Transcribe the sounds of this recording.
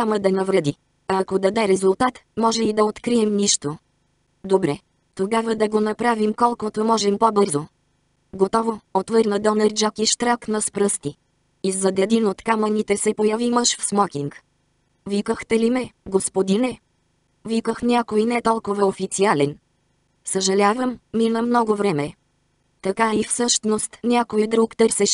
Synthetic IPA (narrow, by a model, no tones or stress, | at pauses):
nʲaməd̪ɐnɐvɾɛd̪i | ɐkod̪ɐd̪ɛɾɛzulˠt̪at̪mɔʒɛid̪ɐot̪kɾiɛmniʃt̪o | d̪obɾɛ | t̪oɡavəd̪ɐɡonɐpɾavimkɔlˠkot̪omɔʒɛmpobɤɾzo | ɡot̪ɔvoot̪vɤɾnəd̪ɔnɛɾd͡ʒɔkʲiʃt̪ɾaknɐspɾɤst̪i | izɐd̪ɛd̪inot̪kamənit̪ɛsɛpojɐvimɤʃfsmɔkʲiŋk | vikəxt̪ɛlimɛɡospod̪inɛ | vikəxnʲakoinɛt̪ɔlˠkovɐofit̪sialɛn | səʒɐlʲavəmːinɐmnɔɡovɾɛmɛ | t̪ɐkaifsɤʃt̪nost̪nʲakojid̪ɾukt̪ɤɾsɛʃ